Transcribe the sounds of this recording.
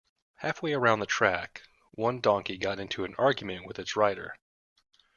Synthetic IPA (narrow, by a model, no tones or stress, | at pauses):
hæfweɪə˞ãʊ̃nðɨtʰɹ̥æk | wʌ̃ndɔ̃ŋkiɡɑɾɪ̃ntʰʉɨ̃nɑɹɡjmɨ̃nʔwɨðɨtsɹaɪɾə̰˞